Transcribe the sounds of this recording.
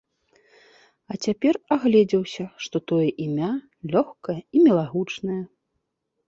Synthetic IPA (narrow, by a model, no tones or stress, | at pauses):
ɐt͡sʲapʲɛraɣlʲɛd͡zʲɛwsʲɐʂt̪ɔt̪ɔjɛʔimʲa | lʲɔxkɐjɐimʲɛlˠaɣut͡ʂnɐjɐ